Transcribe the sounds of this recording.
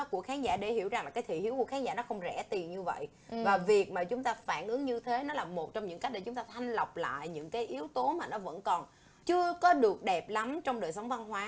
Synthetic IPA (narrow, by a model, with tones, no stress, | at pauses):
ku˧˩əkxaː˨˦ŋza̰ː˧˩ɗe˧˩hḭ˧˩əwza˨˩ŋlaː˨˩kaː˨˦t̪ʰḭ˧˨˩hi˨˦wku˧˩əxaː˨˦ŋza̰ː˧˥nɔ˨˦xə˧wŋ͡mzɛ̰˧˩t̪i˨˩ənɲɨ˧və̰˧˨j | vaː˨˩vi˨˩ək̚maː˨˩t͡ɕʊ˨˦ŋ͡mt̪aː˧faː˧˩nʔɨ˨˦əŋɲɨ˧t̪ʰe˨˦nɔ˨˦laː˨˩mo˨˩t̚t͡ɕɔ˧wŋ͡mɲɨ̰˧˥ŋka˦˥k̚ɗe˧˩t͡ɕʊ˨˦ŋ͡mt̪aː˧t̪ʰa˧jŋ̟lə˨˩wk͡p̚la̰ː˧˨jɲɨ̰˧˥ŋkaː˨˦jʔi˨˦əwt̪o˨˦maː˨˩nɔ˨˦və̰˧˥nkɔ˨˩n | t͡ɕɨ˧əkɔ˨˦ɗɨ˨˩ək̚ɗɛ˨˩p̚la˨˦mt͡ɕɔ˧wŋ͡mɗəː˨˩jsə˨˦wŋ͡mva˧nɦwaː˨˦